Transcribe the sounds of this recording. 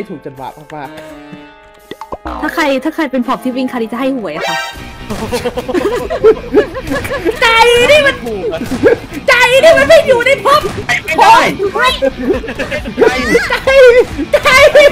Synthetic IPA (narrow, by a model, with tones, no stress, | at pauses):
t̪ʰuː˨˩k̚t͡ɕa˨˩t̪̚wa̰ː˨˩maː˥˩k̚maː˥˩k̚ | aː˥˩kʰa˧jt̪ʰaː˥˩kʰa˧jpe˧npʰɔː˨˩p̚t̪ʰiː˥˩wi˧˩ŋkʰa˧t̪ʰi˥˩t͡ɕa˨˩ɦa˥˩jhu˨˩˦əjʔa˨˩kʰa˥˩ | t͡ɕa˧jdaː˥˩jma˧n | t͡ɕa˧jdaː˥˩jma˧nma˧˥˩jjuː˨˩na˧˩jpʰo˦˥p̚a˧˩a˧˩˧ | t͡ɕa˧jt͡ɕa˧j